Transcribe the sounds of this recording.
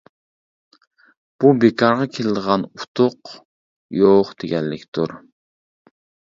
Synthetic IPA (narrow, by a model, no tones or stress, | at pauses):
b̥ubekʰɑɾʁɑkʲʰelɪd̪əʁɑnut̪ʰʊq | joqd̪̥eɡʲɛnːɪkʲt̪ʰuɾ